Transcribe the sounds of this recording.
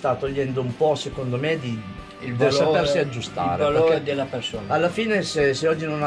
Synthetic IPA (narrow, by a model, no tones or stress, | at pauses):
t̪at̪ːoʎːɛnd̪oumpɔsekond̪omed̪i | ild̪erlsaeɾssiad͡ʒːust̪a̰ːɾealod̪elːapersoːnalːafiːneseseɔd͡ʒːinona